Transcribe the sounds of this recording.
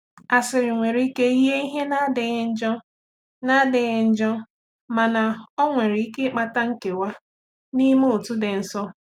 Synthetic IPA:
a˨sɪ˨ɾɪ˨ŋʷe˨ɾi˦ke˦i˦ɦe˦i˦ɦe˦na˦dɪ˨ɣɪ˦n̩˦d͡ʒɔ˦ | na˦dɪ˨ɣɪ˦n̩˦d͡ʒɔ˦ | ma˨na˨ɔ˦ŋʷe˨ɾi˨i˦ke˦k͡pa˦ta˦ŋ̩˦ke˨wa˦ | ni˦mo˦o˨tu˦dɪ˨n̩˨sɔ˦

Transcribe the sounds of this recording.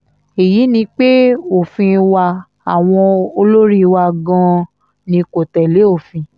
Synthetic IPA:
e˨ji˨˦nĩ˧˦k͡pe˦o˨fĩ˧wa˧ | a˨w̃ɔ̃˧o˧lo˦ɾi˦˧wa˧ɡã˧ | nĩ˧ko˨tɛ˨le˨˦o˦˨fĩ˧

